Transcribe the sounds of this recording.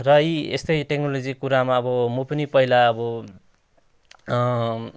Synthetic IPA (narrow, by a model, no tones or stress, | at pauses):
rʌiest̪ʌjʈeknolod͡zikuɾamaʌbʌmopʌnipʌilaʌbʌ